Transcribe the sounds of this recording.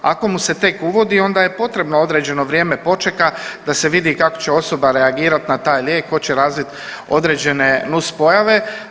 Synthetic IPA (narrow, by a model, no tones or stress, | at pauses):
a̰ko̞muse̞t̪e̞kuʋo̞d̪io̞nd̪aje̞po̞t̪ɾe̞bnoo̞d̪ɾe̞ːd͡ʑe̞no̞ʋɾjeːme̞po̞t͡ʃekad̪ase̞ʋid̪ikako̞̥t͡ɕe̞o̞so̞baɾe̞aɡiːɾat̪nat̪aːjlʲjeːkxo̞t͡ɕe̞ɾaːzʋit̪ | o̞d̪ɾe̞ːd͡ʑe̞ne̞nuspo̞jaʋe̞